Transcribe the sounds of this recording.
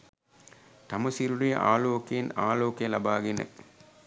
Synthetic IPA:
t̪ɐmɐsiɾuɾijɐ̰ʔa̰ːloːkijinaːloːkijɐlɐbaːɡinɐ̰

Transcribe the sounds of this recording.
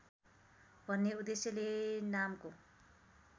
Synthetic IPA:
bʱʌnːeud̪esjelenamko

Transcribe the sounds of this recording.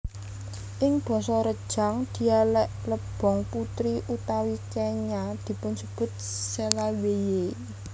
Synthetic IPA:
ʔɪŋb̥ɔ̤sɔɾəd̥ʒ̥a̤ŋd̪̥i̤alɛʔləb̥ɔ̤ŋput̪ɾiʔut̪awit͡ʃeɲad̪̥i̤pʊnsəb̥ʊ̤t̪̚selaweje

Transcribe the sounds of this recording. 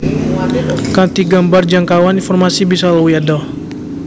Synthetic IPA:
kat̪iɡambard͡ʒaŋkawaninfɔrmasibisalawujadɔ

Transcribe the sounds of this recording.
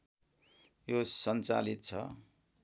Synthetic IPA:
josʌnt͡sa̰lit̪̚t͡sʰʌ̰

